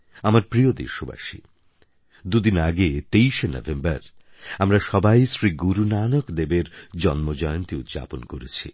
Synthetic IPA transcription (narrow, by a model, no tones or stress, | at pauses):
amaɾpɾiod̪ḛɾʃoba̰ʃḭ | d̪ud̪inaɡet̪ejʃenɔ̰vembaɾ | amɾaʃɔbajsɾiɡuɾunanokd̪ebeɾd͡ʑɔnmod͡ʑɔjont̪iut̪d͡ʑa̰ponkoɾet͡ɕʰḭ